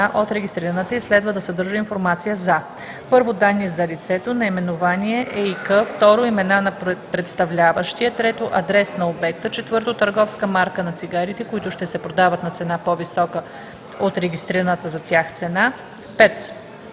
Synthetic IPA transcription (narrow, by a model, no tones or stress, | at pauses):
aʔot̪ɾɛɡʲist̪ɾiɾənət̪əislɛd̪vəd̪ɐsɐd̪ɤɾʒəinfoɾmat̪sijəzɐ | pɤɾvod̪anːiɛzɐlʲit̪sɛt̪onɐimɛnovaniɛʔɛikəft̪ɔɾoimɛnanɐpɾɛt̪st̪ɐvlʲavəʃt̪ijət̪ɾɛt̪oʔɐd̪ɾɛsnɐobɛk̚t̪ət͡ʃɛt̪vɤɾt̪ot̪əɾɡɔfskəmaɾkənɐt̪siɡaɾit̪ɛkoit̪ʊʃt̪ɛsɛpɾod̪avət̪nɐt̪sɛnapovisɔkə | ot̪ɾɛɡʲist̪ɾiɾənət̪əzɐt̪ʲjaxt̪sɛna | pɛt̪